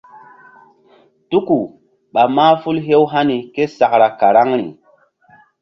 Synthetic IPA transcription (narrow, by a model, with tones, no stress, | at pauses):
tu˦ku˨ | ɓa˨maː˦fu˦lɦe˦wɦa˦ni˨ke˦sa˨kɾa˨ka˨ɾa˦ŋɾḭ˨